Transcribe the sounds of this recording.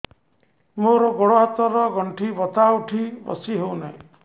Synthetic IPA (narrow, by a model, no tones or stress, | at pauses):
moɾɔɡɔɽoɦɔt̪ɔɾɔɡɔɳʈʰibɔt̪auʈʰibɔ̰siɦewnaj̃